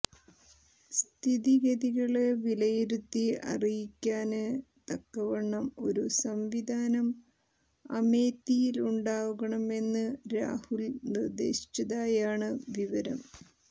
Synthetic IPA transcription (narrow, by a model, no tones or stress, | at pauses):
st̪ʰiðiɣɐðiɣɐɭeʋilɐjiɾut̪ːiɐ̰rijikʲːaːnɨ | t̪ɐkːɐʋɐɳːɐmo̞ɾusɐmʋid̪ʱaːnɐm | ɐ̰meːt̪ːijiluɳɖaːʋuɣɐɳɐme̞nːɨɾa̰ːhulnird̪e̞̰ːɕi̥t͡ɕːɐðaːjaːɳɨʋiʋɐɾɐm